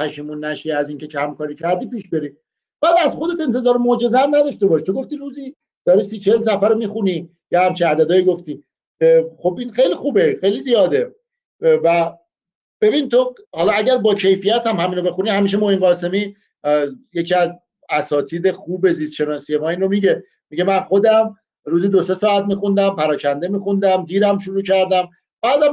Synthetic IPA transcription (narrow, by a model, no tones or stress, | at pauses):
pʰæʃiːmunːæʃiæziːŋcʰe̞t͡ʃʰæmkʰɒːɾiːcʰæɾd̪iːpiːʃbe̞ɾiː | b̥æːd̪æzxo̞d̪e̞t̪e̞nt̪ʰe̞zɒːɾemod͡ʒe̞zehæmnæd̪ɒʃt̪e̞bɒːʃt̪ʰo̞ɡoft̪iːɾuːziː | d̪̥ɒːɾiːsit͡ʃʰels̬æfæɾomiːxuniː | jehæmt͡ʃʰiæd̪æd̪ɒːjiɡoft̪iː | xobinxejlixuːbe̞xejlizijɒːd̪e̞ | væ | b̥e̞bint̪ʰohɒːlɒæɟæɾbɒːcʰe̞jfijæt̪ʰæmhæmiːno̞be̞xunihæmiːʃ̬emohinɢɒːse̞miː | jecʰiːæz | æsɒːt̪ʰiːd̪exuːbe̞zist̪ʃe̞nɒːsijemɒːiːnromiɟe | miɟemænxo̞d̪æm | ɾuːzid̪o̞se̞sɒːæt̪miːxund̪æmpæɾɒːcʰænd̪e̞miːxund̪æmd̪iːɾæmʃuɾuːcʰæɾd̪æm | b̥æːd̪æm